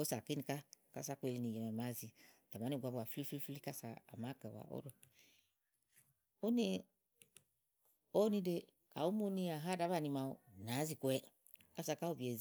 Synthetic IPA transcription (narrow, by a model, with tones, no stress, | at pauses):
o˦sa˨ki˦ni˧ka˦ka̰˦sa˦kʷe˧˨li˨˧ni˨je˨me˨ma˨˦zi˨ta˨ma˨˦ni˦˨ɡʷa˨ba˨fli˦fi˦fli˦ka˦sa̰ː˨ma˦kɛ˨wa̰˨ʔo̰˦ɾo˨ | o˦ne˦ | o˦ni˧de˧ | ka˨u˦mo˦ni˧a˨ɦa˦da˨˦βa˦˨ni˧ma˧˨o˨na˨˦zi˨ku˨˦ɛ˦ | ka˦sa˨˧˨ka˦o˦bi˨e˨z